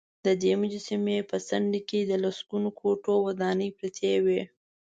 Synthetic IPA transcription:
d̪əd̪emʊd͡ʒasimepəsanliked̪əlasɡunokʰoʈowad̪ɑnəjpɾat̪ʰewe

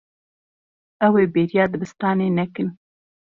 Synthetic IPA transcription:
awebeɾjɑːd̪əbɪst̪ɑːnenakən

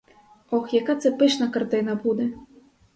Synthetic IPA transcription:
ɔxjakat̪sɛpɨʂnɐkart̪ɨnɐbud̪ɛ

